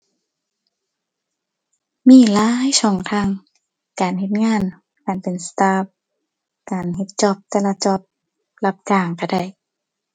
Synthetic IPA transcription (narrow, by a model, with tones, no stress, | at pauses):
miː˧˥˩laː˦˥jsɔː˧˩ŋt̪ʰaː˧˩˨ŋ | kaː˨nhe˧t̪̚ŋaː˧˥˨n | kaː˨˩npe˨nsḁ˧t̪aː˧˥p̚ | kaː˨nɦe˧t̪̚t͡ɕɔ˧p̚t̪ɛː˧˨la˧t͡ɕɔ˧˩p̚ | la˧p̚t͡ɕaː˧˩ŋka˧˩da˧˩j